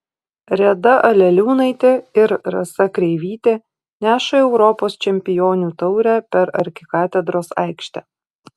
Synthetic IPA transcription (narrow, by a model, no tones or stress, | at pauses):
ɾʲɛd̪ɐʔɐlʲɛlʲuːnɐɪt̪ʲɪɪɾɾɐ̰sɐkɾʲɛɪʋʲiːt̪ʲe | nʲæːʃɐɛʊɾɔpoːst͡ʃʲɛmʲpʲɪjoːnʲuːt̪ɒʊɾʲæːpʲɛɾɐɾʲkʲɪkɑːt̪ʲɛd̪ɾoːsɐ̰ɪkʃʲt̪ʲɛ